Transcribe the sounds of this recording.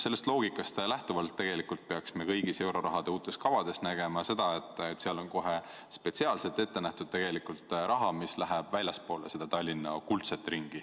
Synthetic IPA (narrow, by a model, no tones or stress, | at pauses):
se̞lːe̞st̪lo̞ːɡikːˑɑst̪læht̪uvɑlt̪ːe̞ɡ̥e̞likult̪̚pe̞ɑksmekɤjɡ̥ise̞wɾo̞ɾɑɦɑd̪̥euːt̪ːˑe̞st̪kɑvɑd̪e̞st̪næɡ̥e̞mɑse̞d̪̥ɑe̞t̪ːˑt̪ːseɑlo̞nko̞ɦe | spe̞t̪siɑːlse̞lt̪e̞t̪ːe̞næht̪ud̪̥̚t̪e̞ɡ̥e̞likult̪ɾʔɑɦɑmislæɦæb̥vælʲjɑspo̞ːlese̞d̪̥ɑt̪ɑlʲːinːɑkult̪set̪ːˑriŋɡ̥i